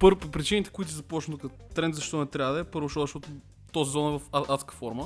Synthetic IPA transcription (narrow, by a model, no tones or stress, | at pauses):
pɤɾpɾit͡ʃinit̪ɛ̥kʊit̪ʊsizɐpɔt͡ʃnt̪ʊk | t̪ɾɛnt̪zɐʃt̪ɔnɛt̪ɾʲabəd̪ɐɛpɤɾvʊʃt̪ɔzɐʃt̪ɔt̪ʊ | t̪ozizɔnɛvɐfaat̪skə̥fɔɾmə